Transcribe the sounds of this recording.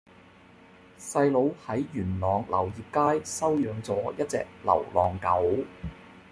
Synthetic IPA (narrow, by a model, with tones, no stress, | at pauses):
sɐ˧jlo˨˧whɐ˨˥jːyː˨˩nlɔː˨ŋlɐ̰˨˩wjiː˨p̚kaː˥jsɐ˥wjœː˨˧ŋt͡sɔː˨˥jɐ˥t̚t͡sɛ̰ː˧k̚lɐ̰˨˩wlɔː˨ŋkɐ˨˥w